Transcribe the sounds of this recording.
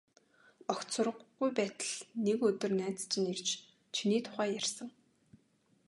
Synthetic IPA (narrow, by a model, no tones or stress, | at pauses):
ɔxsʊrə̆ʁujpæːt̪ə̆ɮnekɵt̪ɵ̆rnæːt͡st͡ɕʰɪ̆nirt͡ɕ | t͡ɕʰiniːt̪ʰʊ̥χæːjærsə̆ŋ